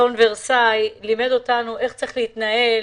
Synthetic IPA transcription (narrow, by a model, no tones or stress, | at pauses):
unveʁsajlimed̪o̞tanuʔe̞χt͡saʁi̥χleit̪nael